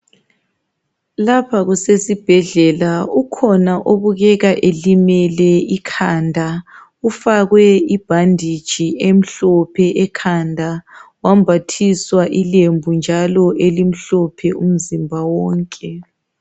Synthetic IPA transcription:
lapʰaɣusesib̥ʱɛɮɛlaukʰɔnaʔoβuɣɛɣaʔelimɛlɛikʰandʱa | ufaɣwɛib̥ʱandʱid̥ʒ̥ʱiem̩ɬɔpʰɛʔɛkʰandʱawam̩bʱatʰiswaʔilembʱund͡ʒʱalɔʔelim̩ɬɔpʰɛʔum̩zimbʱawɔːŋkʼɛ

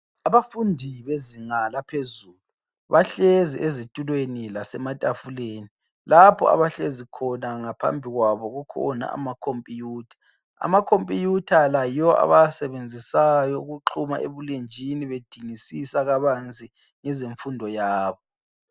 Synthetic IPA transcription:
aβafundʱiβeziŋalapʰezuːlu | βaɬeziʔezitʼulwenilasɛmatʼafuleːni | lapʰɔ̰a̰βaɬezikʰɔnaŋapʰa̰mbʱiɣwaβɔɣukʰɔ̰na̰a̰makʰompʼijuːtʰḁ | a̰makʰompʼijutʰalajiɔa̰βajasɛβend͡zʱisajɔuɣuǁʰuma̰ʔḛβulend͡ʒʱiniβed̥ʱiŋisisaɣaβant͡sʼi | ŋɛzeɱfundʱɔjaːβɔ

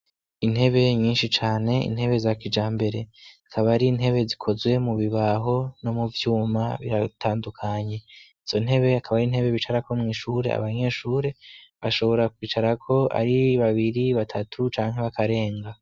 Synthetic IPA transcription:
in̥he̞βe̞ɲiːnʃit͡ʃaːne̞ḭn̥he̞βe̞zakid͡ʒaːmbe̞ɾe̞akʰaβaɾin̥ɦe̞βe̞zikʰo̞zwe̞muβiβaɦo̞no̞muvjuːmaβiɾatʰaːndukʰaɲe̞iz̥o̞n̥e̞βe̞akaβaɾin̥he̞βe̞βit͡ʃaɾako̞mŋiːʃuːɾe̞̰a̰βaɲe̞ʃuːɾe̞βaʃo̞βo̞ɾakwiːt͡ʃaɾakʰo̞a̰ɾiβaβiɾiβatʰatʰut͡ʃaːŋ̥ɦe̞βakʰaɾe̞ːŋɡa

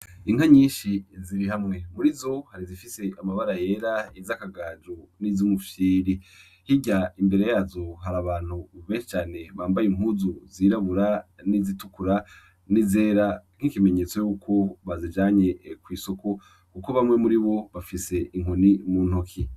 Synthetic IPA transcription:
iŋhaɲiːnʃiziɾiɦamŋe̞muɾizo̞haɾizifise̞ʔamaβaɾaje̞ɾaizakaɡaːd͡ʒonizumufjiːɾi | hiɟaimbe̞ɾe̞jaːzo̞ɦaɾaβaːn̥uβeːʃi̥t͡ʃaːne̞βaːmbajiŋuzuziːɾaβuɾanizitukuɾa | nizeːɾaŋ̥ikime̞ɲe̞t͡so̞juːkʰoβazid͡ʒaːɲe̞kwiːso̞ko | kukoβamŋe̞muɾiβo̞βafise̞ʔiŋonimuːn̥hokʰi

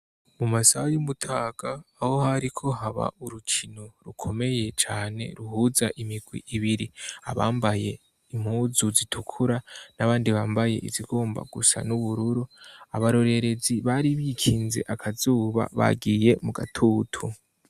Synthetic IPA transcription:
mumasajumutʰaːɡ̥aːho̞haɾikʰo̞ɦaβa̰ʔuɾukʰinoɾukʰo̞me̞je̞t͡ʃaːne̞̰ɾuhuːzaʔimiɡwḭʔiβiɾia̰βaːmbaje̞ | im̥huːzuzitʰukʰuɾanaβaːndiβaːmbaje̞̰ʔḭziɡoːmba̰ɡusa̰nuβuɾuɾuaβaɾo̞ɾe̞ɾe̞ziβaɾiβikʰiːnze̞̰ʔakʰazuːβa̰βa̰ɡije̞muɡa̰tʰuːtʰu

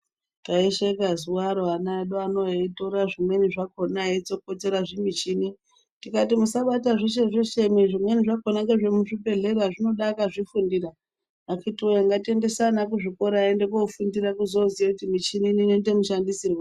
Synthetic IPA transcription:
taeʃekazuwaɾoanaɗoano̞itoɾaʐimwe̞niʐakonaet͡sokot͡se̞ɾaʐimit͡ʃini | tikatimusaɓataʐeʃ̬eʐeʃe̞miʐimwe̞niʐakonakeʐemuʐipe̞ɮeraʐino̞ɗakaʐifundira | akitiojeŋɡatie̞nde̞sanakuʐiko̞ɾaendekofundirakuzo̞zijakutimit͡ʃinininetemuʃandisirwe

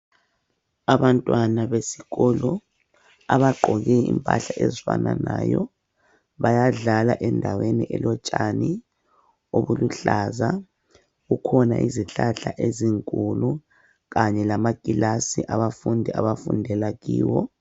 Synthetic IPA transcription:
aβantʼwanaβesiɣɔlɔ | aβaǃʱɔɣɛimpʼa̰ɬaʔɛzwa̰nanaːjɔ | βajaɮalaʔɛndʱaweniʔɛlɔt͡ʃʼani | oβuluɬaza | ɣukʰɔnaʔiziɬaɬaʔeziŋkʼulu | ɣaɲɛlamakʼilasiʔaβafundʱiaβafundʱɛlaɣiːwɔ

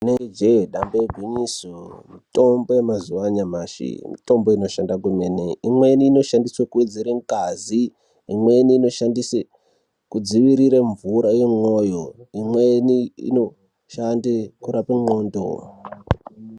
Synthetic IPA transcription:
uneed͡ʒeɗamboeɡʱwiɲisomito̞mbo̞jemazuwaɲamaʃḭmḭto̞mbo̞ino̞ʃandak̬umeneimweniːno̞ʃandiswakued͡ziɾeŋ̩kaziː | mweniːno̞ʃandise | kud͡ziʋiɾiɾeɱvuɾajemojoimweniḭno | ʃandikuɾapeŋoːndo̰

